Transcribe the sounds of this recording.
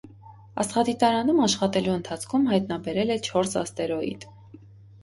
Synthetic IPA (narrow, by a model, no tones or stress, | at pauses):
ɑ̰sχɑd̪it̪ɑɾɑnumɑʃχɑt̪ɛluənt̪ʰɑt͡sʰkʰumɦɑjt̪nɑbɛɾɛlɛt͡ʃʰɔɾsɑ̰st̪ɛɾɔjḭt̪ʰ